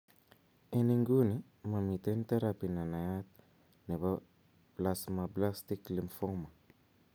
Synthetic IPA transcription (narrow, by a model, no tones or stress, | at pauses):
eniŋɡuni | mamit̪enit̪eɾapinanajat̪ | neβa | plasmablast̪iklimfɔma